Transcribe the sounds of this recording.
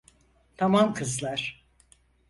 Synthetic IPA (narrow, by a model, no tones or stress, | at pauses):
t̪ʰamamkʰɯzlˠaɾ̥